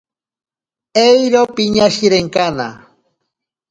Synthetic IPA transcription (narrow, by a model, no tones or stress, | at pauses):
ejɾopiɲaʃiɾeŋkana̰